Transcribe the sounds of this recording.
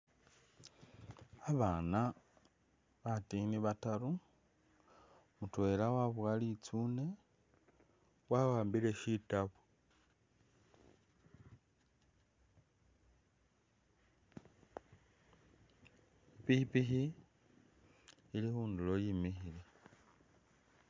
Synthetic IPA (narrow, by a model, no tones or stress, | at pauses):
aβaːna | βatiniβatalu | mutwe̞lawaβuwalit͡suːne̞ | wawaːmbile̞ʃitaβu | pihipixi | ilihuːndulo̞jimixile